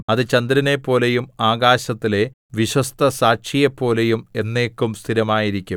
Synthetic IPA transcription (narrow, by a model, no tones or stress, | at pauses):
ɐðɨt͡ɕɐnd̪iɾine̞pːo̞ːlejumaːɡaːɕɐt̪ːile̞ | ʋiɕɐst̪ʰɐsaːkʂijepːo̞ːle̞jume̞nːe̞ːkːumst̪ʰiɾɐmaːjiɾikʲːum